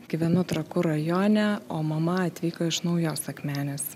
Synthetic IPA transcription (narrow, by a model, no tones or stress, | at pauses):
ɡ̥ʲɪʋʲɛnʊt̪ɾɐkʊɾɐjoːnʲɛoːmɐmɐɐt̪ʲʋʲiːkɐɪʃnɐʊjoːsɐkmʲæːnʲos